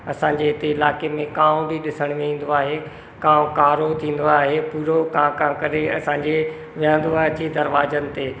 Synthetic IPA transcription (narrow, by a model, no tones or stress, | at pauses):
ɐsãːɲd͡ʑeɦɪt̪eɪlaːkemẽkãːʊ̃bʱiɗɪsəɽ̃mẽĩːn̆d̪oaːɦe | kãːʊ̃kaːɾot̪ʰĩːn̆d̪oaːɦepuːɾokãːkãːkɐɾeɐ̰sãːɲd͡ʑe | ʋijə̃nd̪oaːɦt͡ɕid̪ɐɾʋaːzənɪ̆t̪eː